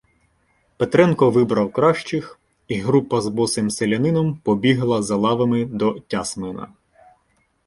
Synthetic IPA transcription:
pet̪ɾɛnkɔʋɪbɾɐwkɾɑʃt͡ʃɪx | iɦɾupɐzbɔsɪmselʲɐnɪnɔmpɔbʲiɦlˠɐzɐlˠɑʋɐmɪd̪ɔtʲɑsmɪnɐ̰

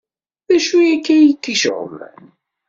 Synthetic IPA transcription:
ðæʃwiækːæjtːiʃʁə̰læ̰n

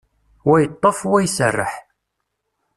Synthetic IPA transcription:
wæjət̪ˤːofwæjsərˤːə̰ħ

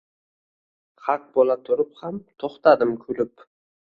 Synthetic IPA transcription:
χɑq̚bolˠat̪ʰʊɾɪphamt̪ʰoχt̪ad̪ɪmkʲʰʊlɪp

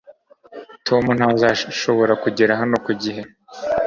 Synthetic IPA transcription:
tʰo̞mun̥hazaʃo̞βo̞ɾakuɟiɾaɦano̞kuɟiɦe̞

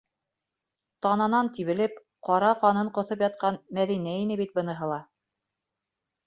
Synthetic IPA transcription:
t̪ɑnɑnɑnt̪iβɘ̆lɘp̚ | qɑɾɑqɑnɤɴqŏθopjɑt̪̚qɑnmæðinæinɘbit̪̚bɤ̆nɤ̆ɦɤ̆lˠɑ

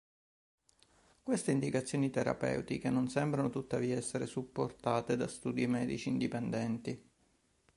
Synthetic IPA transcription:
kwest̪eind̪ikat̪sːjoːnit̪eɾa̰pɛ̰wt̪ikenːonsɛmbɾanot̪ut̪ːaviːaɛsːeɾesupːort̪aːt̪ed̪ast̪uːd̪imɛːd̪it͡ʃiːnd̪ipɛnd̪ɛnt̪i

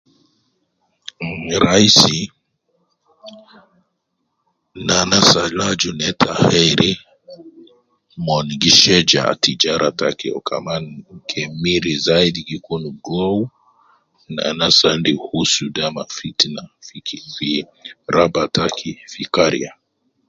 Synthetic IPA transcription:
ɾaisi | nanasalad͡ʒunɛtʰahɛɾi | mɔnɡiʃɛd͡ʒa̰tid͡ʒaɾʔatakɛɔ̰kʰa̰mankʰɛmiɾizaidiɡikunuɡɔu | na̰nasandihusudamafitnafikifi | ɾabatakʰifikaɾḭa

